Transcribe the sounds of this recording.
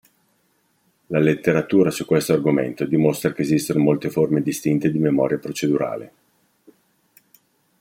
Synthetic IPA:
lalet̪ːeɾat̪uːɾasukːwest̪oarɡomḛnt̪od̪imost̪ɾakeːzist̪onomolt̪eformed̪ist̪int̪ed̪imemɔ̰ːɾjapɾot͡ʃed̪uɾa̰ːlḛ

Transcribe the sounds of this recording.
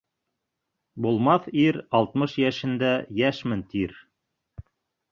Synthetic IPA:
bulˠmɑθiɾɑlˠt̪mɤʃjæʃɘ̆nd̪æjæʃmɘnt̪ʰiɾ

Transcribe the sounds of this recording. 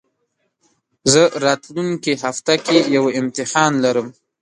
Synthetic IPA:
zəɾɑt̪luŋkehaft̪akejawɪmt̪ɪhɑnlaɾəm

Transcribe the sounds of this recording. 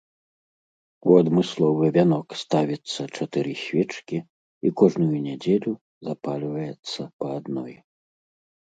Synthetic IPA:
uad̪mɨslˠɔvɨvʲanɔkst̪avʲit̪sːɐt͡ʂat̪ɨɾɨɕʲvʲɛt͡ʂkʲi | ikɔʐnujunʲad͡zʲelʲu | zapalʲvɐjɛt̪sːɐpɐːd̪nɔj

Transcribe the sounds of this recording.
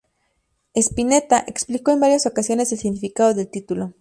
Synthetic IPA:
e̞spine̞t̪aʔeksplikoe̞mbaɾjasokasjo̞ne̞selsiɣnifikaðoðelt̪it̪ulo

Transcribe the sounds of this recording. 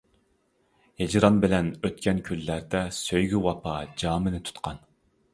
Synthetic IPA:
hed͡ʒɾɑnbɪlɛnøt̪kʲɛnkʲʰylːæɾd̪ɛsøjɡʲywɑpʰɑd͡ʒɑːmɪnɪt̪ʰu̥t̪qʰɑn

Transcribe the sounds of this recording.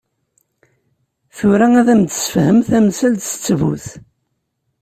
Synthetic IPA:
θʊɾææðæmt̪ːə̥səfhəmθæmsælt̪st͡sːvṵθ

